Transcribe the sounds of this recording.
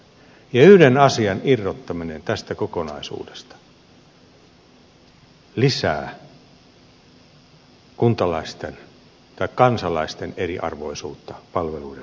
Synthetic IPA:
jɑyhdenɑsiɑnirːot̪ːɑminent̪æst̪ækokonɑisṵːdest̪ɑ̥ | lisæ̰ː | kunt̪ɑlɑist̪en | t̪ɑikkɑnsɑlɑist̪eneriʔɑ̰rʋo̰isuːt̪ːɑpɑlʋeluide

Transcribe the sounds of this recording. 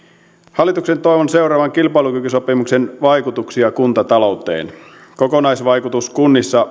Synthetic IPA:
hɑlːˑit̪uksent̪o̞jʋonse̞wɾɑːʋɑŋkilpɑilukykyso̞pimuksenʋɑjkut̪uksiɑkunt̪ɑt̪ɑlo̞wt̪ˑḛːn | kokonɑjsʋɑjkut̪uskunːisːɑ

